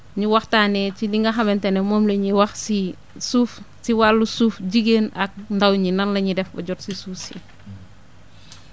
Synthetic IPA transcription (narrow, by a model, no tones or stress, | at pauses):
ɲiwɐxtaːnɛciliŋɡɐxɐmɛntɛnɛmɔːmleɲiwɐxsi | suːfsiwalːusuːfɟiɡeːnɐk̚ndawɲinɐnlɐɲidɛfɔ̰ɟɔtsisuːfsi